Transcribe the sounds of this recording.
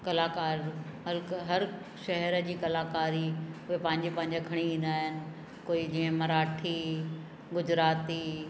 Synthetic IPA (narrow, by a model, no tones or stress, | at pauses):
kɐlaːkaːɾɦɐɾɦɐɾ | ʃɐɦɛɾə̆d͡ʑiːkɐlaːkaːɾiʊɦepɐ̃ɦɪ̃ɲd͡ʑepɐ̃ɦɪ̃ɲd͡ʑakʰɐɽ̃iĩːnd̪aːɦɪnɪ̆ | koːid͡ʑiːə̃mɐɾaːʈʰi | ɡʊd͡ʑɾaːt̪i